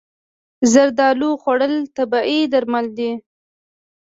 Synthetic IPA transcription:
zaɾd̪ɑluxwaɽəlt̪abɑʔid̪aɾmald̪i

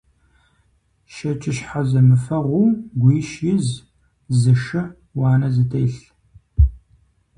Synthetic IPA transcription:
ʃɐt͡ʃʼɪʃħazɐmɨfɐʁʷuːɡʷiːʃjɪz | zɨʂɨ | wɑːnɐzɨtʰejɬ

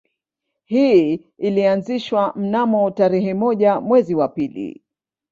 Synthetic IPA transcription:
hi | ilianziʃwam̩namɔtaɾɛɦɛmɔʄamwɛziwapilḭ

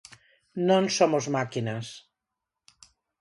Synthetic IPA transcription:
nõnsomozmakinas

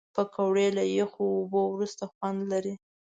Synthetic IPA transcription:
pəkawɽelajexoːbowɾust̪axwand̪laɾi

